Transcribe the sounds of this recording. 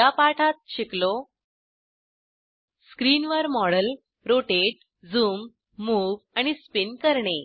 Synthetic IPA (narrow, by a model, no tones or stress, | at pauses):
apaʈʰat̪̚ɕiklo | skɾiːnʋəɾmɔɽəl | ɾoʈeʈ̚ | d͡zuːmː | uːʋaɽ̃ispinkəɾɳe